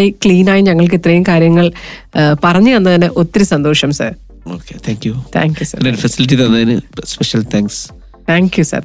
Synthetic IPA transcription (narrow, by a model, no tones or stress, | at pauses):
ekɭiːnaːjiɲɐŋːɐɭk̬it̪rɐjumkaːɾjɐŋːɐɭpɐrɐɲːɨenːɐt̪ɐnːɨʔo̞t̪ːiɾɨsɐnd̪o̞ːʂɐmsɐ̰ːr | o̰ːkːḛt̪ʰaːŋkjut̪ʰa̰ːŋkjusɐ̰ɾɐnɐɨfɐsiliʈ̬ːiðɐnːaːinɨ̰speʂɐlt̪ʰaːŋks | t̪ʰaːŋkjusɐ̰r